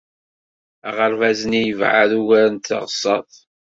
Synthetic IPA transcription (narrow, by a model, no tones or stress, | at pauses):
æʁəɾvæznijəvʕa̰ðuʝæɾənt̪ːə̰ʁsˤːɑ̰ðˤ